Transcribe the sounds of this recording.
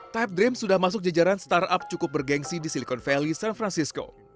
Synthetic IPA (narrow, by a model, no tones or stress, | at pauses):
t̪ajp̚dɾɪmsudahmas̬ʊk̚d͡ʒad͡ʒaɾanst̪arap̚t͡ʃukʊp̚bərɡɛŋsidisilikɔnfɛlisanfɾansisko̰